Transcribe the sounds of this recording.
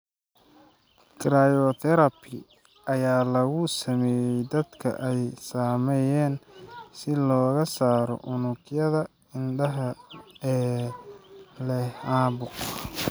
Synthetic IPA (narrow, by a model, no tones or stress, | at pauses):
kɾajɔt̪ʰɛɾɐbʰɪ | ɐjaːlɐɣʊsɐmɛːjɛjd̪ɐd̪kʰɐ̰ʔɛjsaːmɛjɛːnsɪlɔːɣɐsaːɾɔ̰ʔʊnʊkjɐðɐ | ɪnɖɐɦɐɛː | lɛaːbʊq